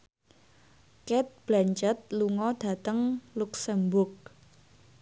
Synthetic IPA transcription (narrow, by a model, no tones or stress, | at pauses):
kɛt̪̚b̥laɲt͡ʃət̪̚luŋɔd̥ä̤t̪əŋluksəmbʊrk̚